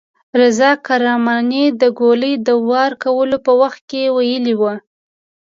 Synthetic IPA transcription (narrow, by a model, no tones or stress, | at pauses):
ɾɪzɑkaɾɑmɑnid̪əɡoləjd̪əwɑɾkawəlopəwaxt̪̚kewajəliwə